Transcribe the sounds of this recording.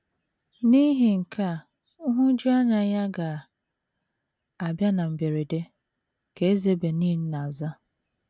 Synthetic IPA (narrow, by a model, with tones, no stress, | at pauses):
ni˦ɦi˨ŋ̩˨kʰa˦˨ | ʊ˦ɦʊ˦d͡ʒi˦a˦ɲa˦ja˦ɡa˨ | a˨bja˦na˨m̩˨be˨ɾe˨de˦ | ke˨e˦ze˦be˨niː˦n̩˦na˨za˦